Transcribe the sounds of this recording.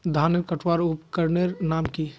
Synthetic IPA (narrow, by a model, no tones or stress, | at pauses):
d̪ʱaːneɾkəʈʰwaːɾupkəɾneɾnaːmki